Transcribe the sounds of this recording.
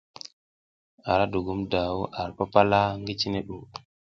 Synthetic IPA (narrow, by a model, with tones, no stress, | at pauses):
a˨ɾa˦du˨ɡu˦mda˨wu˦ʔa˨ɾpa˦pa˦la˦ŋɡi˦t͡ʃi˦ne˦ɗu˨